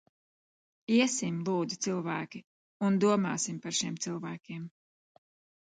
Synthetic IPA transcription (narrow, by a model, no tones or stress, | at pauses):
iɛsimlˠuːd̪zit̪silˠvæːkʲi | und̪uɔmɑ̰ːsimpaɾʃiɛmt̪silˠvæːkʲiɛm